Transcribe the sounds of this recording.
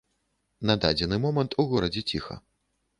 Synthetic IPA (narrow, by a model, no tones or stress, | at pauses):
nad̪ad͡zʲɛnɨmɔmɐnt̪uɣɔɾɐd͡zʲɛt͡sʲixɐ̰